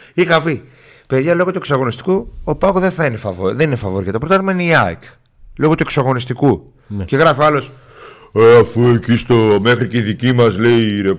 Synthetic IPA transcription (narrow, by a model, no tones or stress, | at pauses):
iɣɐfi | pe̞ðʝɐlo̞ɣo̞t̪ueksɐɣo̞nist̪i̥kuopɐɣoðeθɐinefɐvðeninefɐvoɾikɐt̪opɾot̪ɐt̪imɐineiak | lo̞ɣo̞t̪ue̞ksɐɣo̞nist̪iku | ce̞ɣɾɐfiɐlo̞s | eɐfuecist̪ome̞xɾiceiðicimɐzle̞iɾe